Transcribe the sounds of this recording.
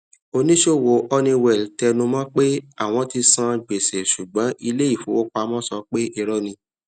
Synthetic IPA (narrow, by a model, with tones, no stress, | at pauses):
o˧nĩ˦ʃo˦˨wo˨ʔɔ˧nĩ˧wɛ˨ltɛ˧nũ˧mã˦k͡pe˦a˦˨w̃ɔ̃˧˦ti˧sã˧ɡ͡be˨se˨ʃu˨ɡ͡bã˨˦ʔi˧le˦i˦˨fo˨˦wo˦k͡pa˧mɔ̃˦sɔ˧k͡pe˦ʔe˧ɾɔ˦nĩ˧